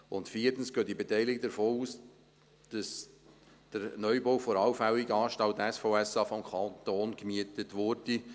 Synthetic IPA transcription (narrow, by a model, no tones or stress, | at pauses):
ʊntfiːətən̩sɡ̥øːtibetɛɪlɪɡd̪əɾfoːuːs | d̥ɑs | d̥əɾnœʏbowfɔɾɑwfæwiɡɑːʃtawtɛsfoːɛsɑːfɔmkʰɑt̪oːnɡmiətətvʊɾd̥i